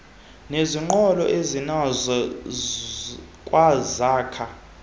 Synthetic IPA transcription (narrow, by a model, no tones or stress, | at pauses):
neziŋ͡ǃɔlɔʔezinazɔ | kʼwazaːkʰa